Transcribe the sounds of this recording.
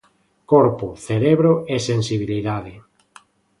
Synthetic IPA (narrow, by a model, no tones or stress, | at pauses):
koɾpʊθeɾeβɾoesensiβ̞iliðaðɪ